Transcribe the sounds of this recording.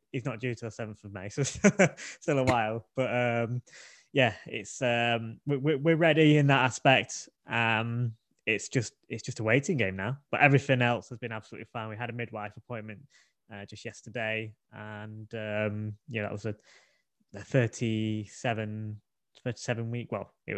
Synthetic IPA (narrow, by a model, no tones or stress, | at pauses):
ɪtsnəʔ̚d̥ʉːtʰəðəsɛvə̃nθəvmeɪsoʊ | stɪlˠəwaɪlˠb̥ʌtʌ̃m | jæɪ̰tsʌ̃mwɪwɪwɪɹɛɾiɪ̃nðətaspɛk̚t | ʔʌ̃m | ɪtsd̥ʒ̥ʌstɪtsd̥ʒ̥ʌstəweɪtɪ̃ŋɡẽɪ̃mnaʊb̥ʌʔɛvɹɪθɪ̃ŋɛlˠshəzbɨ̃nab̥səlʉ̰ʔlifãɪ̃nwiəɾəmɪd̚waɪfəpʰɔ̃ɪ̃nmə̃nʔ | ʌ̥d͡ʒʌst̚jɛstədeɪ | ə̃nʌ̃mjnæðə̰ʔwɒzə | əθɜˑtʰisɛvə̃n | θɜˑ˞ti̥sɛvə̃nwiˑkwɛ̰lˠɪ̰ʔ